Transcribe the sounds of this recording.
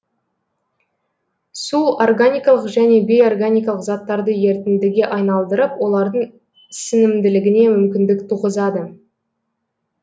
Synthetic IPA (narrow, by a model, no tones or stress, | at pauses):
suorɡanʲijkɑlˠəqʒæne̞be̞jo̞rɡanʲijkɑlˠəqzɑt̪ːɑɾd̪əje̞ɾt̪ɪnd̪ɪɡʲeʔɑjnɑlˠd̪əɾəpwo̞lˠɑɾd̪əɴ | sɪnɪmd̪ɪlɪɡʲɪne̞mʏmkʲɪnd̪ɪkt̪ʰuʁəzɑd̪ə